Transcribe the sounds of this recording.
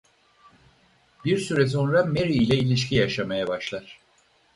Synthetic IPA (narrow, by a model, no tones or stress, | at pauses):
biɾsyɾɛs̬o̞nɾame̞ɾiːlʲɛilʲiʃ̬cijaʃamajabaʃlˠaɾ̥